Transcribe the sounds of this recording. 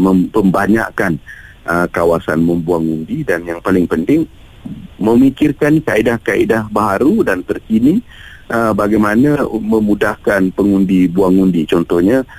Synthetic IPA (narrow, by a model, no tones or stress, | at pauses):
məmpəmbaɲa̰ʔkan | ʔəkawasa̰nməmbuaŋundidanjaŋpalɪŋpənt̪ɪŋ | mə̃mikɪrkankaidahkaʔidahbaɦaɾudant̪ərkinĩ | ʔəbaɡajmanamə̃mudahkanpəŋundibuaŋundit͡ʃɔnt̪ɔhɲa